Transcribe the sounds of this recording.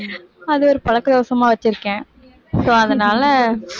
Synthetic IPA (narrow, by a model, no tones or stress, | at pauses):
ɐðɯɔɾɯpɐɻɐkːɯd̪oːsɐmaːʋɐt͡ʃːɪɾɯkːẽː | soːɐðɐnaːlɐ